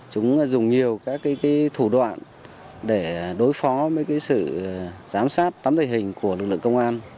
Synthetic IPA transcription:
t͡ɕʊ˨˦ŋ͡mzʊ˨˩ŋ͡mɲi˨˩əwkaː˦˥kːaː˨˦jkaː˨˦jt̪ʰu˧˩ɗwa̰ː˧˨n | ɗe˧˩ɗo˨˦jfɔ˨˦vəː˨˦jkaː˨˦jsɨ̰˧˨zaː˨˦msaː˦˥t̚t̪aː˨˦mt̪ə˧˩ɦï˨˩ŋ̟ku˧˩əlɨ˨˩k̚lɨ̰˧˨ŋkə˧ŋ͡mʔaː˧n

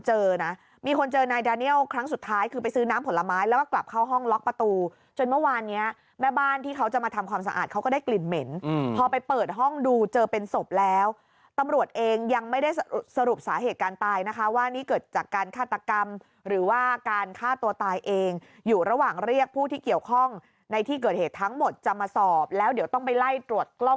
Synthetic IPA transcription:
t͡ɕɤː˧na˦˥ | miː˧kʰo˧nt͡ɕɤː˧na˧jdaː˧ni˥˩əwkʰɾa˦˥ŋsu˨˩t̪ʰːaː˦˥jkʰɯː˧pa˧jsɯː˦˥naː˦˥mpʰo˩˦nlːa˧maː˦˥jlɛː˦˥wkɔː˥˩kla˨˩p̚kʰa˥˩wɦɔ˥˩ŋlɔ˦˥k̚pɾa˧t̪uː˧ | t͡ɕo˧nmɯ˥˩waː˧nːi˦˥ɐ | mɛː˥˩baː˥˩nt̪ʰiː˥˩kʰa˦˥wt͡ɕa˨˩maː˧t̪ʰa˧mkʰwaː˧msa˧ʔ̪̚ːkʰa˦˥wkɔː˥˩daː˥˩jkli˨˩nme˩˦npʰɔː˧pa˧jpɤː˨˩t̪̚ɦɔ˥˩ŋduː˧t͡ɕɤː˧pe˧nso˨˩p̚lɛː˦˥w | t̪a˧mɾu˨˩ət̪̚ʔeː˧ŋja˧ŋma˥˩jda˥˩j̚sa˧ɾu˨˩p̚saː˩˦ɦeː˨˩t̪̚kaː˧nt̪aː˧jna˦˥kʰa˦˥waː˥˩niː˦˥˩kɤː˨˩t̪̚t͡ɕaː˨˩kːaː˧nkʰaː˥˩t̪ːa˧ka˧m | ɾɯː˩˦waː˥˩kaː˧nkʰaː˥˩t̪u˧ɐt̪aː˧jʔeː˧ŋ | juː˨˩ɾa˧waː˨˩ŋɾi˥˩ək̚pʰuː˥˩t̪ʰiː˥˩ki˨˩əwkʰɔ˥˩ŋ | na˧jt̪ʰiː˥˩kɤː˨˩t̪̚heː˨˩t̪ʰːa˦˥ŋmo˨˩t̪̚t͡ɕa˨˩maː˧sɔː˨˩p̚lɛː˦˥wdi˨˩˦wt̪ɔ˥˩ŋpa˧jla˥˩jt̪ɾu˨˩ət̪̚klo˥˩ŋ

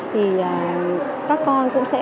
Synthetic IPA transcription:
t̪ʰi˨˩ʔəː˨˩ | kaː˦˥kːɔ˧nkʊ̰˧˥ŋ͡msɛ̰˧˥

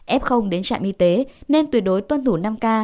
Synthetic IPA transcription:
ʔɛ˦˥p̚xə˧wŋ͡mɗe˨˦nt͡ɕa̰ː˧˨ŋʔi˧t̪e˨˦ne˧nt̪wi˨˩ət̚ɗo˨˦jt̪wa˧nt̪ʰu˧˩na˧mkaː˧

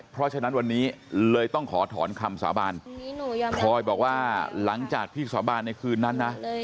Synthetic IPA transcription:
pʰɾɔ˦˥t͡ɕʰa˧na˦˥nwa˧nːiː˦˥lɤː˧jt̪ɔ˥˩ŋkʰɔː˩˦t̪ʰɔː˩˦nkʰa˧msa̰ː˩˦baː˧n˨˩ | kʰɔː˧jbɔː˨˩k̚waː˥˩la˩˦ŋt͡ɕaː˨˩k̚t̪ʰiː˥˩saː˨˩˦baː˧nː˧jkʰɯː˧nːa˦˥nːa˦˥

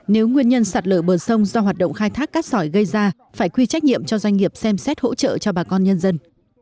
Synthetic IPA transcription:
ne˨˦wŋwi˧ənɲə˧nsaː˨˩t̚ləː˧˩ɓəː˨˩sə˧wŋ͡mzɔ˧ɦwaː˨˩t̚ɗə̰˧˨ŋ͡mxaː˧jt̪ʰaː˦˥kːaː˦˥k̚sɔ˧˩jɣə˧jzaː˧ | faː˧˩jkwi˧t͡ɕa˦˥k̚ɲḭ˧˨əmt͡ɕɔ˧zwa˧jŋ̟ŋi˨˩əp̚sɛ˧msɛ˦˥t̚ho̰˧˥t͡ɕə̰ː˧˨t͡ɕɔ˧ɓaː˨˩kɔ˧nɲə˧nzə˧n

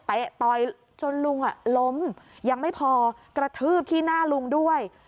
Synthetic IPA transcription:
t̪e˨˦ʔt̪ɔ˨˩j | t͡ɕo˧nlu˧ŋʔa˨˩lo˦˥mja˧ŋma˥˩jpʰɔː˧kɾa˧t̪ʰɯː˥˩p̚t̪ʰiː˥˩naː˥˩lu˧ŋdu˥˩əj

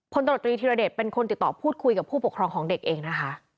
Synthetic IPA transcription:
pʰo˧nt̪a˧o˨˩t̪ːɾiː˧t̪ʰiː˧ɾa˧deː˨˩p̚pe˧nkʰo˧nt̪i˨˩t̪ːɔː˨˩pʰuː˥˩t̪̚kʰu˧jka˨˩pʰːuː˥˩pu˨˩kʰɾɔː˧ŋkʰɔː˩˦ŋde˨˩k̚ʔeː˧ŋna˦˥kʰa˦˥ʔ

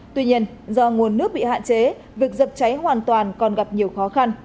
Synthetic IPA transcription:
t̪wi˧ɲi˧ənzɔ˧ŋu˨˩ənːɨ˦˥ək̚ɓḭ˧˨ha̰ː˧˨nt͡ɕe˨˦ | vi˨˩ək̚zə˨˩p̚t͡ɕa˨˦jɦwaː˨˩nt̪waː˨˩nkɔ˨˩nɣa˨˩p̚ɲi˨˩əwxɔ˨˦xa˧n

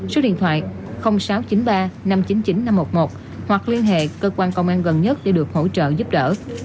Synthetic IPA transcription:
so˨˦ɗḭ˧˨ənt̪ʰwa̰ː˧˨j | xə˧wŋ͡msaː˨˦wt͡ɕi˨˦nɓaː˧na˧mt͡ɕi˨˦nt͡ɕi˨˦nːa˧mːo˨˩t̚mo˨˩t̚ | hwa˨˩k̚li˧ənɦḛ˧˨kəː˧kwaː˧nkə˧wŋ͡mʔaː˧nɣə˨˩nɲə˦˥t̚ɗḛ˧˦ɗɨ˨˩ək̚ho̰˧˥t͡ɕə̰ː˧˨zu˦˥p̚ɗəː˧˨

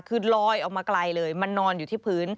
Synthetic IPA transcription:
kʰɯː˨˧˩nlɔː˧jʔɔ˨˩k̚maː˧kla˧jlɤː˧jma˧nːɔː˧njuː˨t̪ʰiː˥˩pʰɯː˦˥n

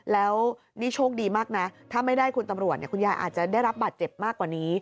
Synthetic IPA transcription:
lɛː˦˥w | ni˦˥t͡ɕʰoː˥˩k̚diː˧maː˥˩k̚na˦˥t̪ʰaː˥˩ma˥˩jdaː˥˩jkʰu˧nt̪a˧mɾu˨˩ət̪ni˥˩kʰu˧njaː˧jʔa̰ː˨˩t̪̚t͡ɕa˨˩daː˥˩jɾa˦˥p̚baː˨˩t̪̚t͡ɕe˨˩p̚maː˥˩kːwaː˨˩niː˦˥

